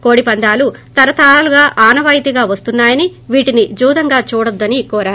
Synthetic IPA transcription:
ko̞ːɽipɐnd̪ʱaːlut̪ɐɾɐt̪aːluɡaːʔaːnɐʋaːjt̪iɡaːʋɐst̪unːaːjɐniʋiːʈinid͡ʒuːd̪ɐŋɡaːt͡ʃuːɽɐd̪ːɐnikɔːɾaːɾ

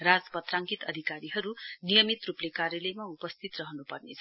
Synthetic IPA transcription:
rad͡zpʌt̪raŋkit̪ʌd̪ʱikaɾiɦʌɾunijʌmit̪ruplekarjʌlʌjmaupʌst̪ʰit̪rʌɦʌnupʌrnḛt͡sʰʌ

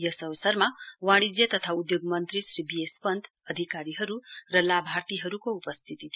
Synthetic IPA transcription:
jʌsʌwsʌɾmawãɽid͡zjʌt̪ʌt̪ʰaud̪joɡmʌnt̪ɾisɾibijespʌnd̪ʱ | ʌd̪ʱikaɾiɦʌɾurʌlabʱaɾt̪iɦʌɾukoupʌst̪ʰit̪it̪ʰi

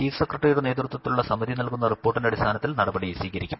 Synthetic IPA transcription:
iːsekrɐʈːrijuɽneːt̪rut̪wɐt̪ːiluɭːɐsɐmɐd̪inɐlkunːɐripːo̞ːrʈːindeɐɽist̪ʰaːnɐt̪ːilnɐɽɐbɐɽiesiːɣɐɾikʲːum

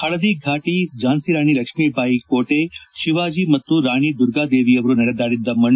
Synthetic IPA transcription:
ɐɽɐd̪iɡʱaːʈid͡ʒaːnsiɾaːɳ̃ilɐkʂmiːbʱaːikoːʈeʃiʋaːd͡ʒiːmɐt̪ːuɾaːɳ̃id̪uɾɡaːd̪eːʋiɐʋɐɾunɐɽɐd̪aːɽid̪ːɐmɐɳ

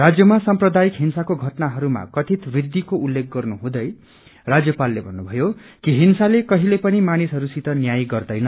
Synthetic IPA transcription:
rad͡zjʌmasʌmprʌd̪ajikɦinsakoɡʱʌʈnaɦʌɾuma̰kʌt̪ʰit̪bid̪ːikoulːek̚ɡʌrnuɦũd̪ʌj | rad͡zjʌpalːebʱʌnːubʱʌjokiɦinsalekʌɦilepʌnimanisɦʌɾusit̪ʌnjajɡʌrd̪ʌjnʌ

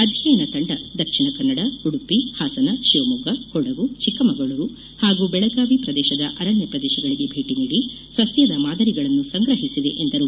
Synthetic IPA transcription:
ɐd̪ʱjɐjɐnɐt̪ɐɳɖɐd̪ɐkʂiɳɐkɐnːɐɽɐuɽupːihaːsɐnɐʃiʋɐmuɡɐkɔɽɐɡut͡ʃikɐmɐɡɐɭɐɾu | haːɡubɛɭɐɡaːʋipɾɐd̪ɛːʃɐd̪ɐʔɐɾɐɳjɐpɾɐd̪ɛːʃɐɡɐɭiɡe̞bʱeːʈiniːɽi | sɐsjɐd̪ɐmaːd̪ɐɾiɡɐɭɐnːusɐŋɡɾɐɦisid̪e̞̰ʔend̪ɐɾu

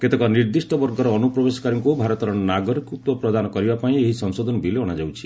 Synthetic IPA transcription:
ket̪ekɔniɾd̪isʈɔbɔɾɡɔɾɔːnupɾɔbesɔ̥kaɾɔŋkubʱaɾɔt̪ɔɾɔnaɡɔɾikut̪wɔpɾɔd̪anɔkɔɾibapaĩeɦisɔŋsod̪ʱɔnɔbileɔɽ̃ad͡ʒawt͡ʃʰi̥

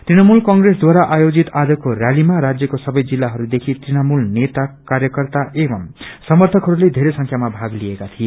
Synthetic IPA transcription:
t̪rinʌmulkʌŋɡresd̪waɾaʔajod͡zit̪ad͡zʌkorjalimaɾad͡zjʌkosʌbʌjd͡zilːaɦʌɾud̪ekʰit̪rinʌmulnet̪akarjʌkʌrt̪aebʌmsʌmʌrt̪ʰʌkɦʌɾuled̪ʱeɾesʌ̃ŋkʰjamabʱaɡliekat̪ʰije

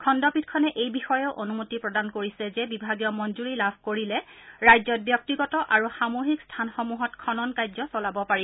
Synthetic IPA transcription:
kʰɔndɔpitkʰɔnɛʔejbixɔjɔʊʔonumotipɹɔdankoɹisɛzɛbibʱaɡijɔmɔnzuɹilabʱkoɹilɛ | ɹajzɔt̚bjɔk̚tiɡɔtɔʔaɹuxamoɦikstʰanxɔmuɦɔtkʰɔnɔnkajzɔsɔlabɔpaɹi

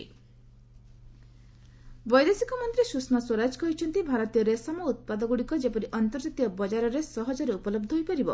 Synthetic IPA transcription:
bɔjd̪esikɔmɔnt̪ɾisusmaswɔɾad͡ʒkɔɦit͡ʃʰɔnt̪ibʱaɾɔt̪ijɔɾesɔmɔut̪̚pad̪ɔɡuɽikɔd͡ʒepɔɾiʔɔnt̪ɔɾd͡ʒat̪iɔbɔd͡ʒaɾɔɾesɔɦɔd͡ʒɔɾeupɔlɔb̚d̪ʱɔɦojpɔɾibɔ

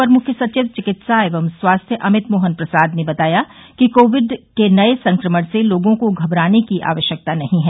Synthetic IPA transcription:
pɐɾmʊkʰjəsɐt͡ʃɪːt̪̚t͡ʃɪkɪt̪saeːʋəmswaːst̪ʰjəʔɐmɪt̪moːɦənpɾɐsaːd̪nebɐt̪aːjakikoːʋɪɖkenɐesɐ̃ŋkɾəməɽ̃seloːɡõkoɡʱɐbɾaːnekiʔa̰ːʋəʃjək̚t̪anɐɦĩɦɛː

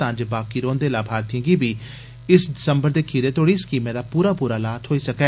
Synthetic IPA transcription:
ãːd͡ʒbaːkiːɾõːnd̪eːlaːbʱaːɾt̪iə̃ːɡiːbʱiː | ɪsɖɪsəmbəɾd̪eːkʰiːɾeːt̪oːɽiːɪskiːmɛ̃ːd̪aːpuːɾaːpuːɾaːlaːt̪ɦoːiːsəkɛː

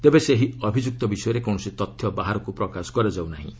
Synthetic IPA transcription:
t̪ebeseɦiɔbʱid͡ʒuk̚t̪ɔbisɔjɔɾekɔ̃ɔsit̪ɔt̪ʰːjɔbaɦaɾɔkupɾɔkasɔ̥kɔɾed͡ʒawnaɦḭ̃

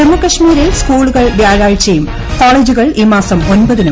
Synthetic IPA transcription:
emukːɐʂmiːɾilskuːɭuɣɐɭʋjaːɻaːɻt͡ɕːɐjum | koːɭeːd͡ʑuɣɐɭʔimaːsɐmo̞nbɐðinɐ

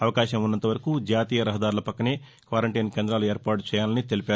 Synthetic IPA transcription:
ɐʋɐkaːʃɐmunːɐnt̪ɐʋɐɾɐkud͡ʒaːt̪iːjɐɾɐɦɐd̪aːɾulɐpɐkːɐneː | kʋaːɾɐɳʈɐjnkeːnd̪ɾaːlue̞ːɾpaːʈt͡ʃɛːjaːlɐnit̪e̞lipaːɾu

